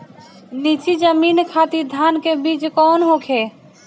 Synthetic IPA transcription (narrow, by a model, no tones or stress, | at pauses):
nit͡ʃid͡ʒəminkʰat̪iɾd̪ʱankebiːt͡ʃkɔnɦokʰe